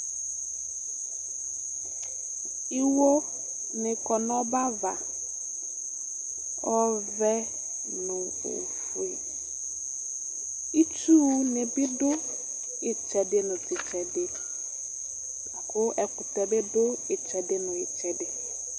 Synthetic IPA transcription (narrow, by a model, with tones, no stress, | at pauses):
ɪ˦wo˦ | nɪ̃˨kɔ˨nɔ˦ba˦va˨ | ɔ˦vɛ˦ | nʊ̃˨ | o̰˨ | fu˦e˨ | i˦tu˦nɪ̃˨bɪ˦dʊ˦ | ɪ˨t͡ʃɛ˨dɪ˦nʊ̃˨tɪ˨t͡ʃɛ˨dɪ˨ | kʊ˦ɛ˨kʊ˨tɛ˨be˦dʊ˦ɪ˨t͡ʃɛ˨dɪ˦nʊ̃˨ɪ˨t͡ʃɛ˨dɪ˨